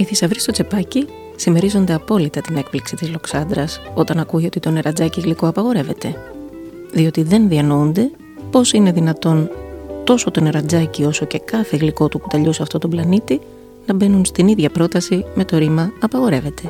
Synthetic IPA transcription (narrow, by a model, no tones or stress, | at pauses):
iθisɐvɾist̪ot͡se̞pɐci | sime̞ɾizo̞nd̪e̞ɐpo̞lit̪ɐt̪ine̞k̚pliksit̪izlo̞ksɐnd̪ɾɐso̞t̪ɐnɐkuʝio̞t̪it̪o̞ne̞ɾɐd͡zɐciɣliko̞ɐpɐɣo̞ɾe̞ve̞t̪e̞ | ðio̞t̪iðe̞nðiɐnound̪e̞ | po̞sine̞ðinɐt̪o̞nt̪o̞so̞t̪o̞ne̞ɾɐd͡zɐcio̞so̞ce̞kɐθe̞ɣliko̞t̪ukut̪ɐʎuseɐft̪o̞t̪oblɐnit̪i | nɐbe̞nunst̪iniðʝɐpɾo̞t̪ɐsime̞t̪o̞ɾimɐɐpɐɣo̞ɾe̞ve̞t̪e̞